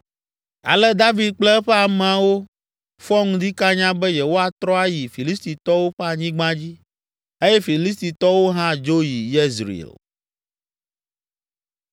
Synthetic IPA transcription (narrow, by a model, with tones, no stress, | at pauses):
a̰˨lɛ˦d̪a˦vi˨d̪̚k͡plɛ˦ɛ˦ɸɛ˦a˨m̃˨a˨wo˦ | fɔ˦ŋũ˦d̪i˦ka˦ɲã˦bɛ˦jɛ˨wo˦a˨t̪ɾɔ˦a˦ji˨fi˨li˦st̪i˨t̪ɔ˦wo˦ɸɛ˦a˨ɲĩ˦ɡ͡bã˦d͡ʑi˦ | e˦jɛ˦fi˨li˦s̬t̪i˨t̪ɔ˦wo˦ɦã˦d͡ʒo˦ji˨je˦zɾḭ˨l